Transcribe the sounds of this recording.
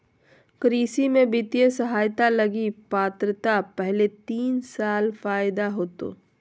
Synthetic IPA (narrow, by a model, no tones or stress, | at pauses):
kəɾiːsimẽbɪt̪jesɐɦaːjt̪alɐɡipaːt̪ɾət̪apɛɦlet̪iːnsaːlfaːjd̪aɦoːt̪o̰ː